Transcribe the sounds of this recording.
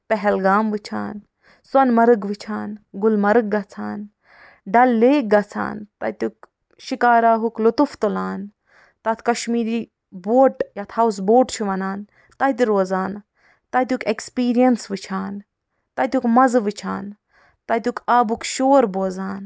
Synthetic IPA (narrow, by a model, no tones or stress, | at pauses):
pɛɦɛlɡaːmʋɨt͡ʃʰa̰ːn | swɐnmɐɾɨɡʋɨt͡ʃʰaːnɡulmɐɾɨɡ̚ɡɐt͡sʰa̰ːn | ɖɐlːeːk̚ɡɐt͡sʰa̰ːnt̪ɐ̰t̪uk | ʃikaːɾaːɦuklut̪uft̪ulaːn | t̪ɐt̪ʰkɐʃmiːɾiː | boːʈjat̪ʰɐws̬boːʈt͡ʃʰuʋɐnaːn | t̪aːt̪̬iɾoːzaːn | t̪at̪ʲukekspiːɾijɐnsʋɨt͡ʃʰaːn | t̪ɐt̪ʲukmɐzʋɨt͡ʃʰa̰ːn | t̪at̪ʲukʰaːbukʃoːɾboːzaːn